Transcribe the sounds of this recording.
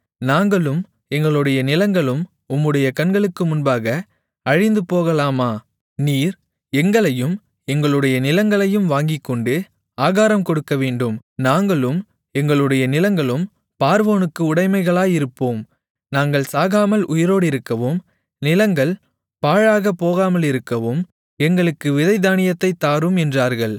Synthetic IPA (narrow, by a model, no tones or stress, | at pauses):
naːŋɡɐɭɯm | ɛŋɡɐɭɯɽɐjɐnɪlɐŋɡɐɭɯm | ʊmːɯɽɐjɐkɐnɡɐɭɯkːɯmʊnbaːɣɐ | ɐɻɪnd̪ɯpoːɣɐlaːmaː | niːɾ | ɛŋɡɐɭɐjɯm | ɛŋɡɐɭɯɽɐjɐnɪlɐŋɡɐɭɐjɯmʋaːŋɡɪkːɔɳɖɯ | aːɣaːɾɐmkɔɽɯkːɐʋeːɳɖɯmnaːŋɡɐɭɯm | ɛŋɡɐɭɯɽɐjɐnɪlɐŋɡɐɭɯm | paːɾʋoːnɯkːɯʊɽɐɪmɐɪɣɐɭaːjɪɾɯpːoːm | naːŋɡɐɭsaːɣaːmɐlʔʊjɐɾoːɽɪɾɯkːɐʋoːm | nɪlɐŋɡɐɭ | paːɻaːɣɐpːoːɣaːmɐlɪɾɯkːɐʋoːm | ɛŋɡɐɭɯkːɯʋɪðɐɪd̪aːɳɪjɐt̪ːɐɪt̪ːaːɾɯmɛndraːɾɣɐɭ